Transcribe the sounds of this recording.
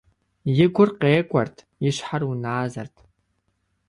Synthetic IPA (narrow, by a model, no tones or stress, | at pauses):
jɪɡʷʊrqeːkʷʼɐrtʰ | jɪɕħarunaːzɐ̰rtʰ